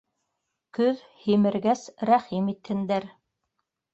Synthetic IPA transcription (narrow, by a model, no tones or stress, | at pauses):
kɵð | himɘ̆ɾɡæsɾæχimit̪hɘ̆nd̪æɾ